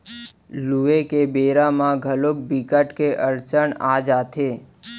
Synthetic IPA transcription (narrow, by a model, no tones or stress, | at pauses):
luekebeɾamãɡʱəlok̚bikəʈkeʔəɾt͡ʃəɳad͡ʒat̪ʰe